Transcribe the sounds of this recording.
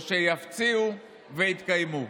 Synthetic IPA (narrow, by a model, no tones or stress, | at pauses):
ʃejaft͡siu | veit̪kajmu